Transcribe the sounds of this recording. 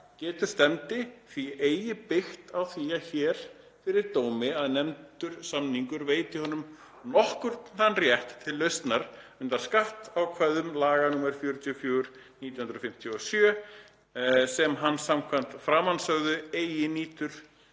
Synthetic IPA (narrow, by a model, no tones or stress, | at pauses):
cɛːt̪ʏɾ̥st̪ɛmt̪ɪθieːjɪpɪxt̪awθiaçɛːɾ̥ | fɪɾɪɾt̪oːwmɪaðnɛmt̪ʏɾ̥samniŋkʏɾveːjt̪ɪhɔnʏm | nɔhkʏɾ̥t̪θanrjɛht̪ʰːɪlːœɥst̪naɾʏnt̪aɾ̥skaht̪awkʰvajðʏmlaːɣanuːmɛɾ̥fjœːɾʏt̪ʰjɔfjœːɣʏɾ̥ | niːt̪jhʏnɾðfɪm̥t̪ʰjɔsjœː | sɛmɦanːsamkʰvan̥t̪fɾaːmansœɣðʏeːjɪniːt̪ʏɾ̥